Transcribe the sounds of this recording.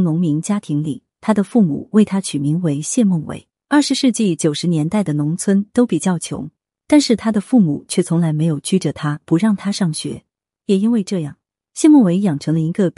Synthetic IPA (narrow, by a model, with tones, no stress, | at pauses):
ŋnʊ˧˥ŋmi˧˥ŋt͡ɕja˥t̪ʰi˧˥ŋlḭ˨˩˦t̪ʰa˥d̪ə˨fu˥˩mṵ˨˩˦we˥˩ɪt̪ʰa˥t͡ɕʰy˨˩mi˧˥ŋwe˧˥ɪɕjɛ˥˧mʊ˥˩ŋwḛ˧˥ɪ | ɐ˥˩ʂɻ̩˧˥ʂɻ̩˥˧t͡ɕi˥˩t͡ɕjo˨˩ʊʂɻ̩˧˥njɛ˧˥nt̪a˥˩ɪd̪ə˩nʊ˧˥ŋt͡sʰwə˥nt̪o˥ʊpi˨˩t͡ɕjɑ˥˩ʊt͡ɕʰjʊ̰˧˥ŋ | t̪a˥˧nʂɻ̩˥˩t̪ʰa˥d̪ə˨fu˥˩mu˨˩˦t͡ɕʰɥɛ˥˩t͡sʰʊ˧˥ŋla˧˥ɪme˧˥ɪjo˨˩ʊt͡ɕʰy˥ʈ͡ʂə˩t̪ʰa˥pu˧˥ɻɑ˥˩ŋt̪ʰa˥ʂɑ˥˩ŋɕɥɛ̰˧˥ | jɛ˨˩i˥nwe˥˧ɪʈ͡ʂɤ˥˧jɑ˥˩ŋ | ɕjɛ˥˧mʊ˥˩ŋwe˧˥ɪjɑ˨˩ŋʈ͡ʂʰɤ˧˥ŋlə˧i˧˥ɡə˧